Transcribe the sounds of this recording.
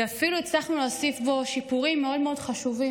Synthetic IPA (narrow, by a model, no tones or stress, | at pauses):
afiluet͡slaχnuloːsifbo̞ʃipuʁimːeo̞dmeo̞dχaʃuvi